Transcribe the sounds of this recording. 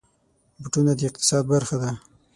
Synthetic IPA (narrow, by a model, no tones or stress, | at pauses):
bʈunad̪əɪq̚t̪ɪ̥sɑd̪̚baɾxad̪a